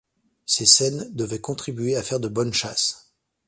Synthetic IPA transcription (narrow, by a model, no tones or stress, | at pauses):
sesɛnd̪əvɛkɔ̃t̪χibɥeafɛʁd̪əbɔnʃas